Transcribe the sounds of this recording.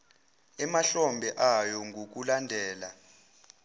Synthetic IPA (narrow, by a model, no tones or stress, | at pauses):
ɛmaɬɔmbʱɛʔajɔŋɡʱok̬ulandʱɛːla̰